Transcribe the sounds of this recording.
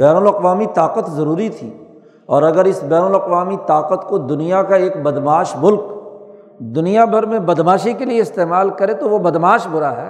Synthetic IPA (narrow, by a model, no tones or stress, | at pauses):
bɛːnəlɐqʋaːmit̪aːqət̪zɐɾuːɾit̪ʰḭː | ɔːɾɐɡəɾɪsbɛːnəlɐqʋaːmit̪aːqət̪kod̪ʊnijakaeːkbɐd̪maːʃmʊlk | d̪ʊnijabʱɐɾmẽbɐd̪maːʃekelieɪst̪eːmaːlkɐɾẽt̪oʋobɐd̪maːʃbʊɾaɦɛː